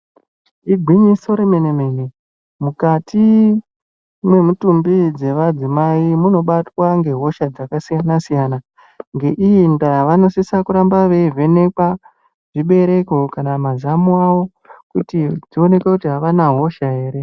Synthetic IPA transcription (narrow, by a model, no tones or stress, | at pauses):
iɡʱwiɲiso̞ɾeme̞neme̞ne̞ | mukatʰi | mwe̞mutumbid͡ze̞ʋad͡zimaimuno̞ɓatwaŋɡe̞ɦo̞ʃad͡zakasijanasijana | ŋɡe̞ʔijindajaʋano̞sisakuɾambaʋe̞ve̞ne̞kwa | ʐ̥iɓe̞ɾe̞ko̞kanamazamuawo̞ | kutid͡zio̞ne̞kekutiɦaʋanaɦo̞ʃaɦe̞ːɾe̞